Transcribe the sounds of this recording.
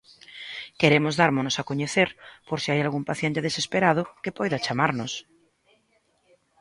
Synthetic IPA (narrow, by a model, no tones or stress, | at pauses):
keɾemozðaɾmonosakoɲeθeɾpoɾsiajalɣumpaθjent̪eðesespeɾað̞okepojðat͡ʃamaɾnos